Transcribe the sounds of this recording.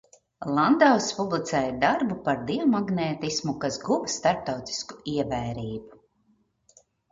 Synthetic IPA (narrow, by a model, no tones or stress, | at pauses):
lˠand̪awspublˠit̪sɛːjd̪aɾbupaɾd̪iɔmaɡnɛːt̪ismukasɡuvst̪aɾp̚t̪awt̪i̥sku̥iɛvɛːɾiːbu